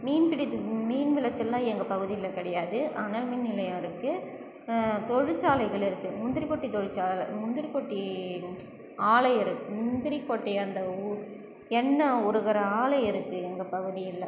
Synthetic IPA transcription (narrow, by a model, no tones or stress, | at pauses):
miːnpɪɽiɯmiːnʋɪlɐt͡ʃːɐlːãːɛŋɡɐpɐɣɯðɪjɪlːɐkɪɽɐjaːðɯʔɐnɐlminnɪlɐjãɪɾɯkːɯ | t̪ɔɻɪt͡ʃːaːlɐɪɣɐɭɪɾɯkːɯmʊnd̪ɪɾikːɔʈːit̪ɔɻɪt͡ʃːaːlɐ̰mʊnd̪ɪɾikːɔʈːi | aːlɐɪɪɾɯkːɯmʊnd̪ɪɾikːɔʈːɛɐnd̪ɐu | ɛnːɐɔɾɯɣɐɾɐaːlɐɪɪɾɯkːɯɛŋɡɐpɐɣɯðɪjɪlːɐ